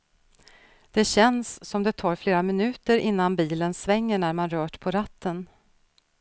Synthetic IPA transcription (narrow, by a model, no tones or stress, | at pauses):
d̪̥ɛɕɛnsːɔmd̪ɛt̪ʰɑːɾfleːɾamɪnʉ̟ːt̪əɾʔɪnːanbiːlənsvɛŋːəɳæɾmanɾœːʈpʰɔɾat̪ʰːən